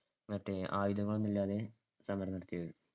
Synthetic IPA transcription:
mɐʈːeʔaːjud̪ɐŋːɐɭonːilːaːðe̞ | sɐmɐɾɐnɐɾɐt̪ːijɐðɨ

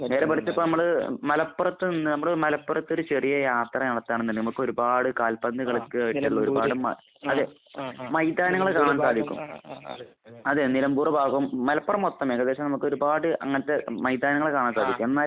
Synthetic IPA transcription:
ne̞ːɾepɐʈit͡ɕ̪ːɐpːoːnɐmːɐɭmɐlɐpːɐrɐt̪ːɨninːɨnɐmːɐɭmɐlɐpːɐrɐt̪ːo̞ɾut͡ɕerijɐjaːt̪rɐnɐɽɐt̪ːaːɳɐenːɐnnɐmukːɨo̞ɾubaːɽɨkaːlpɐnd̪iɣɐɭikːɨiʈːɐɭːɐo̞ɾubaːɽɨmɐ̰ | ɐðe | mɐjd̪aːnɐŋːɐɭekaːɳaːnsaːd̪ʱikʲːṵm | ɐðeːnilɐmbuːrɐbʱaːɡɐʋmːɐlɐpːɐrɐmot̪ːɐmeːŋɡɐd̪eːɕɐmnɐmukːɨo̞ɾubaːɽɨʔɐŋːɐnɐt̪ːe̞mɐjd̪aːnɐŋɐɭekaːɳaːnsaːd̪ʱikʲːumenːaːl

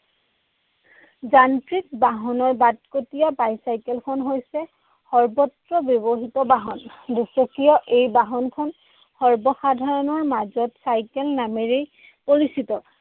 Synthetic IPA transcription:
zantɹik̚baɦɔnɔɹbat̚kotijabajsajkɛlkʰɔnɦojsɛ | xɔɹbɔtɹɔbjɔbɔɦitɔbaɦɔndisɔkijɔʔejbaɦɔnkʰɔn | xɔɹbɔxadʱaɹɔnɔɹmazɔtsajkelnameɹej | poɹisitɔ

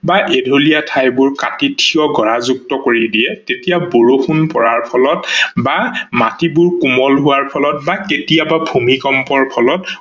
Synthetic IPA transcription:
baʔedʱolijatʰajbʊɹkatitʰijɔɡʱɔɹazuk̚tɔkoɹidijɛtetijaboɹoxunpɔɹaɹpʰɔlɔtbamatibʊɹkumɔlɦʊwaɹpʰɔlɔtbaketijababʱumikɔmpɔɹpʰɔlɔt

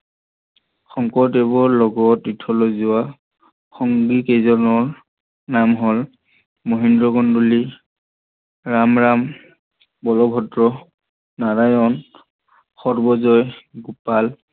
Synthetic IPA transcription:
xɔŋkɔtebɔɹlɔɡɔtɹitʰɔlozʊa | xɔŋɡikezɔnɔɹ | namɦɔl | moɦindɹɔɡɔnduli | ɹamɹam | bɔlɔbʱɔtɹɔ | naɹajɔn | xɔɹbɔzɔjɡupal

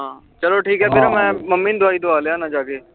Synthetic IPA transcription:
ɦãː | t͡ʃəloʈʰiːkɦɛːpɪɾmɛ̃ːməmːĩːnd̪ʊaːiːd̪ʊaːleaːnãd͡ʒaːkeː

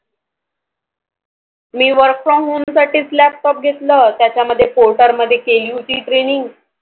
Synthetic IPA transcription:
miːʋəɾkfɾɔmɦuːmsaʈiːt͡slæp̚ʈɔp̚ɡʱet̪ləːt̪jat͡ɕjaməd̪ʱːjepoɾʈəɾməd̪ʱːjekeljut͡ɕiːʈɾeɽiŋɡ

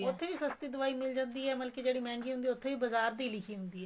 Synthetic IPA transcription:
ʊt̪ʰːeʋisɐst̪id̪ʊʋaːimɪld͡ʒə̃nd̪iɦɛːmɐlked͡ʒeːɽimɛ̃ːŋɡiɦʊ̃nd̪iʊt̪ʰːeʋibɐzaːɾd̪iːlɪkʰiɦʊ̃nd̪iɦɛː

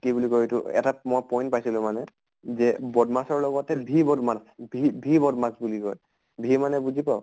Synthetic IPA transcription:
kibulikoitʊ̰ɛ̰tamɔjpɔj̃ntpajsilʊ̃manɛ | zɛbɔdmasɔɹlɔɡɔtɛbʱibɔdmasbʱibʱibɔdmasbulikɔ̰j | bʱimanɛbuzipaʊ

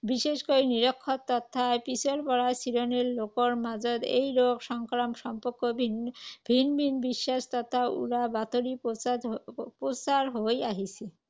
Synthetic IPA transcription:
biʃeʃkoɾiniɾkʰːot̪ːɔt̪ʰːaepisʰolpɔɾasiɾoneɾlokoɾmad͡ʑod̪ḛjɾoɡʃɔŋkɾamʃɔmpoɾkːobʱibʱinbʱinbiʃːaʃt̪ɔt̪ʰːaṵɽabat̪oɾip̪ | pɾosaɾɦojaɦit͡ɕʰe

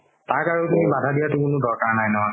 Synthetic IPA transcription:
taɹkaɹutumibadʱadijatʊkʊnʊdɔɹkaɹnajnɔɦa

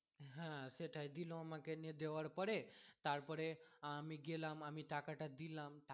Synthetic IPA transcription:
ɦãseʈʰajd̪ilõmãkenid̪eʋaɽpəɽet̪aɾpəɽemiɡelãmamiʈakaʈad̪ilãmʈ

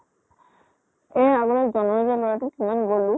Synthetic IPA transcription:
ɛ̃aɡɔlɔzɔnɔzalɔɹatʊkimanɡolʊ

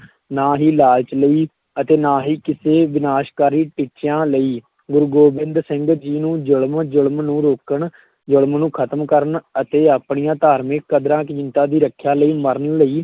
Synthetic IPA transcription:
naːɦiːlaːlt͡ʃləiː | ət̪eːnaːɦiːkɪseːʋɪnaːʃkaːɾiːʈit͡ʃjãːləiː | ɡʊɾɡoːbɪ̃nd̪sɪ̃ŋɡd͡ʒiːnũːd͡ʒʊɭmd͡ʒʊɽəmnũːɾoːkəɳ | d͡ʒʊɽmnũːkʰət̪əmkəɾənət̪eːaːpɳijãːt̪aːɾmɪkːəd̪ɾãːkd͡ʒɪnt̪ãːd̪iːɾəkʰːjaːləiːməɾənləiː

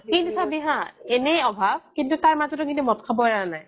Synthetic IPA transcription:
kintusabiɦãenejɔbʱab̚kintutaɹmazɔtɔkintumɔtkʰabɔɹaanaj

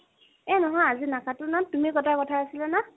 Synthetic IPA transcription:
ɛnɔɦɔ̃jazinakʰatʊnatumikɔtʰajkɔtʰaːsilana

